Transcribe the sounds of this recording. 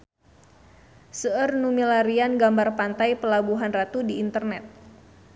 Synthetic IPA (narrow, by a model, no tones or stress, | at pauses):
səərnumilaɾianɡambarpant̪ajpəlabuɦanrat̪udiːnt̪ərnɛt̪̚